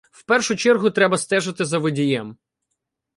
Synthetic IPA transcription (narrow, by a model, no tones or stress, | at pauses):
wpɛrʃʊt͡ʃɛrɦʊt̪ɾɛbɐst̪ɛʒɐt̪ɪzɐʋɪdʲijɛm